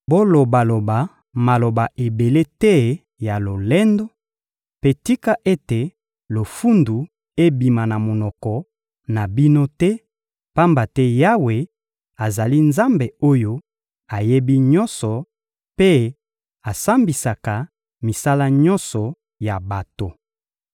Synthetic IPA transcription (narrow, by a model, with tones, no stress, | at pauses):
bo˦lo˨ba˨lo˨ba˨ | ma˨lo˨ba˨ʔe˨be˨le˦tɛ˦ | ja˨lo˨lɛ˦ndo˦ | pe˦ti˦ka˦ʔe˦te˨ | lo˨fu˦ndu˨ | e˦bi˨ma˨na˨mo˨nɔ˨kɔ˨ | na˨bi˦no˦tɛ˦ | pa˦mba˨tɛ˦ja˦we˨ | a˨za˨li˦nza˦mbe˨o˦jo˦ | a˨je˦bi˦ɲɔ˦nsɔ˨ | pe˦ | a˨sa˦mbi˨sa˨ka˨ | mi˨sa˦la˦ɲɔ̃˦nsɔ˨ | ja˨ba˨to˨